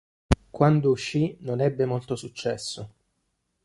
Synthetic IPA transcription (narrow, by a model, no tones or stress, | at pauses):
kwand̪ouʃːinonɛbːemolt̪osut͡ʃːɛsːo